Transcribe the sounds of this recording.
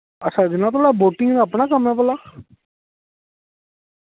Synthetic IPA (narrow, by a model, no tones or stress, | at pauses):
ət͡ʃʰːad͡ʒɪnãt̪ʰoɽaboːʈɪŋɡnaəpnakəmɛpəla